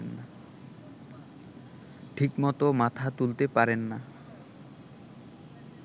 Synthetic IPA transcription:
nːa | ʈʰikmɔt̪omat̪ʰat̪ult̪epaɾenːa

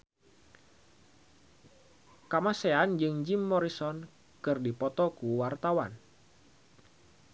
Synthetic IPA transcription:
kamaseand͡ʒɨŋd͡ʒimːɔɾisɔn | kɨrdipɔt̪ɔkuwart̪awan

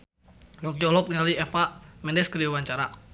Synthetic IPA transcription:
lɔk̚jɔlɔk̚nialiɛfaʔmɛndɛskədiawaɲt͡ʃaɾa

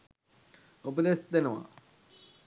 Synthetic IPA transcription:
upəd̪esd̪enəʋa̰

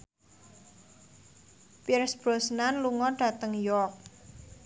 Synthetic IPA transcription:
pirsb̥ɾo̤snanluŋɔɖ̥ä̤t̪əŋjɔrk̚

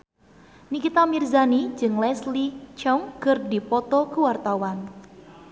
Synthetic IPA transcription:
nikit̪amirzanid͡ʒɨŋlɛslit͡ʃɔŋkɨrdipɔt̪ɔkuwart̪awan

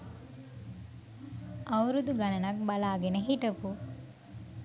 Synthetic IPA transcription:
ɐwɾud̪uɡɐnɐnɐk̚balaːɡenəɦiʈɐpu

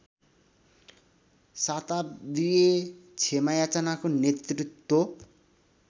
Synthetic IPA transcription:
sat̪ab̪iet͡sʰemajat͡sanakonet̪rit̪ːwo

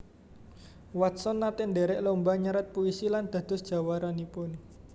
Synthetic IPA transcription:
wat̪̚sɔnːat̪ɪnd̪eɾɛʔlombaɲaɾat̪̚puisiland̪̥a̤d̪̥ʊ̤sd̥ʒ̥a̤waɾanipʊn

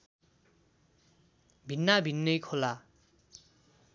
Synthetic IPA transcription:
bʱinːabʱinːʌjkʰola

